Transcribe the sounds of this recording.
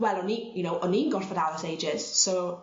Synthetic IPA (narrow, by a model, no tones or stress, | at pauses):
wɛlˠɔnijʊnowʔɔnːiːnɡɔrfədalˠəsejd͡ʒɪz̥so